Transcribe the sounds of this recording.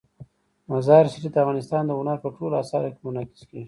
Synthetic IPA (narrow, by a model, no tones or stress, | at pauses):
mazɑɾsiʈid̪əafɣɑnɪst̪ɑːnd̪əʊnaɾpəʈolasɑlakemʊnakɪ̥ske